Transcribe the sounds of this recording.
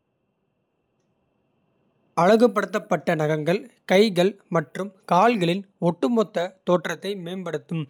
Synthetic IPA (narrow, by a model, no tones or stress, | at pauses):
ɐɻɐɣɯpːɐɽɯt̪̬ːɐpːɐʈːɐnɐɣɐŋɡɐɭkɐɪɣɐɭmɐʈrɯmkaːɭɣɐɭɪnɔʈːɯmɔt̪ːɐt̪oːʈrɐt̪ːɐɪmeːnbɐɽɯt̪ːɯm